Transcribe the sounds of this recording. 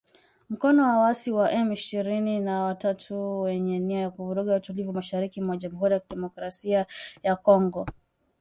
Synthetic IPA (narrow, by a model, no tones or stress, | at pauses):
m̩kɔnɔwawasiwaʔɛmiʃiɾininawatatʰuwɛɲɛniajakuvuɾuɠautulivumaʃaɾikimwaʄamuɦuɾijakiɗɛmɔkɾasiajakɔŋɡɔ